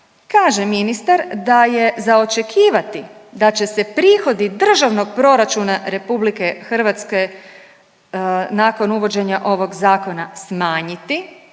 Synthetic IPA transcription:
kaːʒe̞minist̪aɾd̪aje̞zao̞t͡ʃe̞kʰiːʋat̪id̪at͡ɕe̞se̞pɾiːxo̞d̪id̪r̩ʒaʋno̞ɡ̚pɾo̞ɾat͡ʃunaɾe̞publike̞xr̩ʋat̪ske̞ | naːko̞nuʋo̞d͡ʑe̞ɲaʔo̞ʋo̞ɡzaːko̞nasmaːɲit̪i

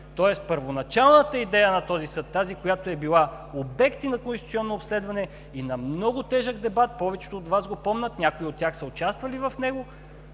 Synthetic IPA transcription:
t̪ɔɛst̪pəɾvonɐt͡ʃalˠnət̪əid̪ɛjənɐt̪ɔzisɤt̪ːazikojat̪oɛbilˠa | obɛkt̪inɐkonsit̪siɔnːoːpslɛd̪vɐnɛ | inɐmnɔɡʊt̪ɛʒəɡd̪ɛbat̪̚pɔvɛt͡ʃɛ̥t̪oːt̪vazɡopɔmnət̪nʲakoiot̪ːʲaxsəot͡ʃast̪vɐlivɐfnɛɡo

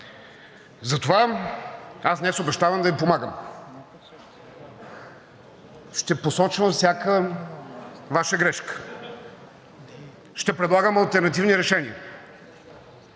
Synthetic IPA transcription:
zɐt̪ova | asnɛsʊbɛʃt̪avəmd̪ɐvipomaɡəm | ʃt̪ɛposɔt͡ʃvəmfsʲjakə | vaʃəɡɾɛʃkə̥ | ʃt̪ɛpɾɛd̪lˠaɡəmɐlˠt̪ɛɾnɐt̪̬ivniɾɛʃɛniə

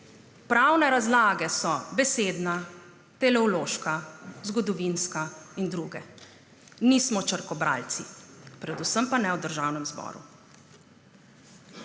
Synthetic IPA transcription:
pɾawnɛɾazlaːɡɛsɔbɛseːd̪na | t̪ɛlɛɔloːʃkazɡɔd̪ɔʋinskaind̪ɾuːɡɛ | nismɔt͡ʃəɾkɔbɾa̰lt̪sipɾɛd̪usəmpanɛwd̪əɾʒawnɛmzbɔ̰ːɾṵ

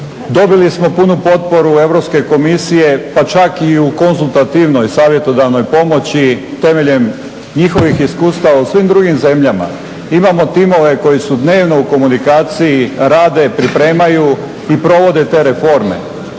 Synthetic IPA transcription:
d̪o̞bilismo̞punupo̞t̪̚po̞ɾue̞ʋɾo̞pske̞ko̞misije̞pat͡ʃakiuko̞nzulˠt̪at̪iʋno̞jsaːʋje̞t̪o̞d̪aʋno̞jpo̞mo̞t͡ɕit̪e̞meʎe̞m | ɲixo̞ʋixiskuːst̪aʋausʋimd̪ɾuɡimze̞mʎama̰ | imamo̞t̪imo̞ʋe̞ko̞jisud̪ne̞ːʋno̞uko̞munikaːt̪sijiɾaːd̪e̞pɾipɾe̞ːmaju | ipɾo̞ʋo̞d̪e̞t̪e̞ːɾe̞fo̞ɾme̞̰

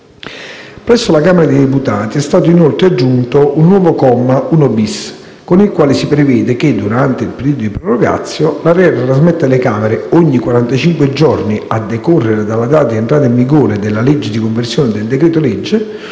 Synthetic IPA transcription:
pɾɛsːolakaːmeɾad̪ejd̪eput̪aːt̪iɛst̪aːt̪̬oinolt̪ɾead͡ʒːunt̪oʔunːwɔːvokɔmːaunobis | konilkwaːlisipɾevɛːd̪ek̟ed̪ːuɾant̪eilpeɾiːd̪od̪ipɾoroɡa̰t̪sːjolarɛrːat̪ɾazmɛt̪ːalekaːmeɾeoɲːikwaɾant̪at͡ʃiŋkwed͡ʒɔrniad̪ːekorːeɾed̪alːad̪aːt̪aenɳt̪ɾaːt̪̬aiɱviɡoːɾed̪elːaled͡ʒːed̪ikoɱversjoːnɪd̪eld̪ekɾɛːt̪olɛd͡ʒːe

